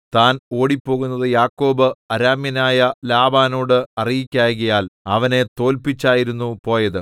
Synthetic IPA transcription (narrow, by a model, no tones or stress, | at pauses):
t̪aːno̞ːɽipːo̞ːɣunːɐðɨjaːkːo̞ːbɨɐɾaːmjɐnaːjɐlaːbaːnoːɽɨɐrijikʲːaːjɣɐjaːlɐʋɐne̞t̪o̞ːlpit͡ɕːaːjiɾunːupo̞ːjɐðɨ